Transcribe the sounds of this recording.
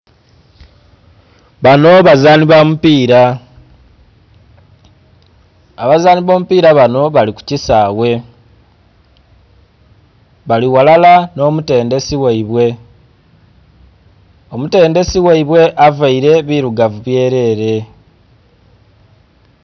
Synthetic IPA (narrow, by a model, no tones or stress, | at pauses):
βano̞βazaːniβamupiːɾa | aβazaːniβo̞ːmupiːɾaβano̞βaliku̥cisaːwe̞ | βaliwalalano̞ːmute̞ːnde̞siweiβwe̞ | omute̞ːnde̞siweiβwe̞ʔavaiɾe̞βiɾuɡavuβje̞ːɾe̞ːɾe̞